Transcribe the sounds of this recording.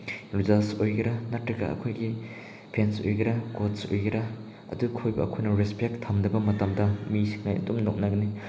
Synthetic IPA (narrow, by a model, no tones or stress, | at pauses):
ɾuzasojɡiɾɐnɐtːɾɐɡɐ̰ɐ̰kʰojɡi | pʰensojɡiɾɐkotsojɡiɾɐ | ɐ̰dukʰojbɐɐkʰojnɐɾispek̚tʰɐmdɐbɐmɐtɐmdɐmisʰi̥ŋnajɐ̰dumnok̚nɐɡɐni